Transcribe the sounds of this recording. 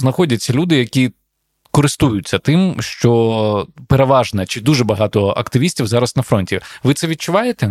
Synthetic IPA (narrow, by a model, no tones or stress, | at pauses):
znɐxɔdʲɐt͡sʲːɐlʲud̪ɪjɐkʲi | kɔɾɪst̪ujʊt͡sʲːɐt̪ɪmʃt͡ʃɔ | peɾeʋɑʒnɐt͡ʃɪd̪uʒɛbɐɦɑt̪ɔɐ̰kt̪ɪʋʲisʲtʲiwzɑɾɐsnɐfɾɔnʲtʲiʋɪt̪sɛʋʲid̪̚t͡ʃʊʋɑjet̪ɛ